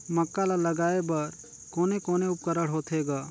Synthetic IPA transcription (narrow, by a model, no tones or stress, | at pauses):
mɐkːalalɐɡaːebɐɾ | koːnekoːneʊp̚kəɾəɽɦoːt̪ʰɦeːɡaː